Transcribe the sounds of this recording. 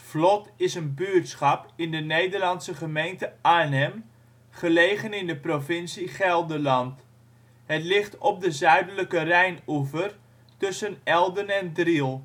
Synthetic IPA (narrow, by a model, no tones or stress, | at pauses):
flɔtɪsənbyətsχɑpɪndənejdərlɑnsəχəmejntəʔanɛm | χəlejχənɪndəprovɪnsiχɛlˠdəlɑnt | ɦətlɪχtɔb̚dəzœɥdələkərɛjnuvər | tɵsənɛlˠdənɛndrilˠ